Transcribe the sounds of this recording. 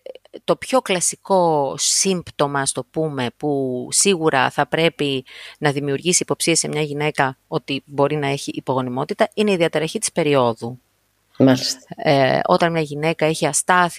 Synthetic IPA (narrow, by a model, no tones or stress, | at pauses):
t̪o̞pço̞klɐsiko̞ssimbt̪o̞mɐst̪o̞pume̞pusiɣuɾɐ̰θɐpɾe̞pinɐðimiuɾʝisiːpo̞psie̞se̞mɲɐʝine̞kɐo̞t̪ibo̞ɾinɐeçiʔːpo̞ɣo̞nimo̞t̪it̪ɐine̞iðiɐt̪eɾɐçit̪i̥spe̞ɾio̞ðu | mɐlist̪o̞t̪ɐnmɲɐʝine̞kɐe̞çiɐst̪ɐθi